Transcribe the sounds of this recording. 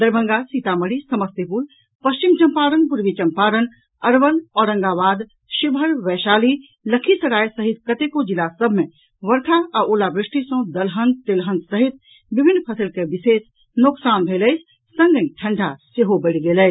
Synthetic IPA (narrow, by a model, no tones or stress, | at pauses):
d̪ɐɾbʱə̃ŋɡasiːt̪aməɽisɐməst̪epul | pɐst͡ʃimt͡ʃɐmpaːɾənbʊɾʋit͡ʃɐ̃mpaːɾən | ɐɾʋəlɔːɾɐ̃ŋɡaːʋaːd̪ | ʃɪbʱəɾʋɛːʃaːli | lɐkʰisɐɾaːjsɐɦɪt̪̚kɐt̪ekod͡ʒɪlasəbʱmẽ | ʋɐɾk̪ʰaɐʔoːlabɾɪʃʈisõːd̪ɐlɦə̃nd̪̚t̪elɦə̃nd̪sɐɦɪt̪̚ | bɪbʱɪnːpʰɐsəlkeʋɪseːs | nʊksaːnbʱeːləɪt͡ʃʰ | sɐ̃ŋɡə̃ʈʰɐ̃ɳɖʱaseɦobeɽiɡelət͡ʃ